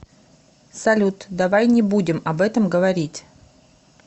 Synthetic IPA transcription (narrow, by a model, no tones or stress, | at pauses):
sɐlʲut̪d̪ɐvajnʲɪbudʲɪmɐbɛt̪əmɡəvɐɾʲitʲ